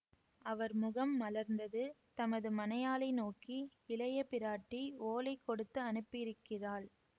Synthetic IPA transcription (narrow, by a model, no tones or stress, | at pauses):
ʔɐʋɐɾmʊɣɐmːɐlɐɾnd̪ɐðɯt̪ɐmɐðɯmɐnɐjaːlɐɪnoːkiɪlɐjɐpɪɾaːʈːioːlɐɪkːɔɽɯt̪ːɯɐnɯpːɪɾɯkːɪraːl